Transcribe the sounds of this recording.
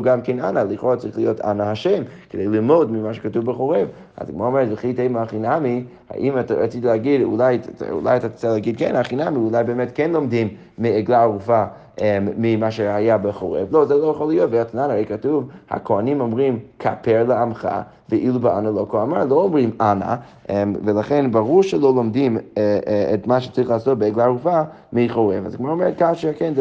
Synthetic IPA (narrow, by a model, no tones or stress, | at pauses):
ɡamkenanaliχoʁat͡saʁiχlijota̰nahaʃemkʰəd̪ejlilmod̪mimaʃ̬ə̥katuvbəχoʁev | a̰zɡmaomeɾzeχitemaχinami | ha̰ʔimatao̰t͡sit̪ileaɡid̪ṵlaj̰ṵla̰jat̪at͡saleaɡid̪̚kɛ̰naχinamiulajbeemetkɛnlˠomd̪imː | ieɡlaaʁufaː | imaʃehajabeχoʁḛvlozɛlojeχolːijotveatnanhaʁejkatuvha̰kʰoanĩmomʁimkʰa̰pʰeɾleamχa̰ | veʔilubeanalokoamaɹloomʁimana̰ | ʔemvelaχenbaʁuɾʃelolomdim | etmaʃe̥t͡saɐʁiχlaasot̚beeɡlaʁufa | miχoʁeva̰zaɡmaaomeɾetkaχʃekenz